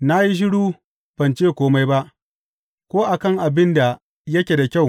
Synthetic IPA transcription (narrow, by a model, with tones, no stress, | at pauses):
na˦ji˦ʃ̬ɪ˦ɽuː˦ | ɸɐ˨nt͡ʃeː˦kʷoː˦ma˦jba˦ʔ | kʷoː˦ʔa˨kɐ˦˨ŋʔa˨bɪ˦nda˨ | jɐ˦kʲe˨da˨kʲa˦˨w